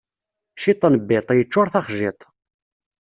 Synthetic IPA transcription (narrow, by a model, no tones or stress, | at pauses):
ʃit̪ˤːənəbːɪt̪ˤjət͡ʃːʊɾθɑχʒɪt̪ˤ